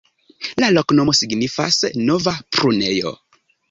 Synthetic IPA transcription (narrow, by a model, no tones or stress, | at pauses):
laloknomo̞siɡnifa̰snovapɾunejo̰